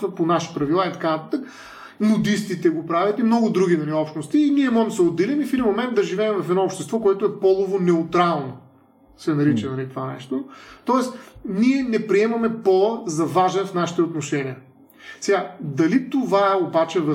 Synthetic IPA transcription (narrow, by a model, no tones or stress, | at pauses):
vɐponaʃi̥pɾɐvilˠait̪ɐ̥kanɐt̪at̪ək | mod̪ist̪it̪ɛɡopɾavʲjɐt̪imnɔɡʊd̪ɾuɡʲinɐliɔpʃt̪nost̪iːniɛmɔʒɛmd̪səod̪ːɛlinifid̪imomɛnd̪̚d̪ɐʒivɛːmvɐfɛd̪ɔopʃt̪ɛst̪vɔkoɛt̪ʊɛpɔlˠovonɛut̪ɾalˠno | sɛnɐɾit͡ʃɛnɐlit̪ovanɛ̰ʃt̪ot̪ɔɛsniɛnɛpɾiɛmɐmɛpɔzɐvaʒɛnfnaʃi̥t̪ɛot̪noʃɛniə | sɛɡad̪ɐlit̪ovaɛobat͡ʃɛvɐ